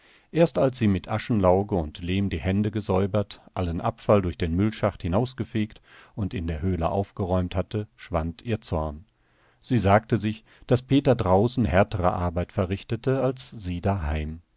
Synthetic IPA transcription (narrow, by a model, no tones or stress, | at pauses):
ʔeːɐstalsz̥iːmɪtʔaʃn̩laʊɡəʊntleːmdiːhɛndəɡəzɔʏbɐtʔalənʔa̰pfaldʊɐçd̥eːnmʏlʃaχthɪnaʊsɡ̥əfeːktʊntɪndeːɐɦøːlə̰ʔa̰ʊfɡ̥əʁɔʏmthatəʃv̥antʰiːɐt͡sɔɐn | z̥iːzaːk̚təzɪç | d̥aspʰeːtɐdʁaʊsn̩hɛɐtəʁə̰ʔa̰ɐbaɪtfɛɐʁɪçtətəalsz̥iːdaɦaɪm